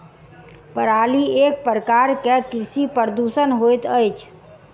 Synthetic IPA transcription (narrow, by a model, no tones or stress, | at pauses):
pəɾaliek̚pɾəkaɾkekɾisipəɾd̪usənɦojt̪əjt͡ʃʰ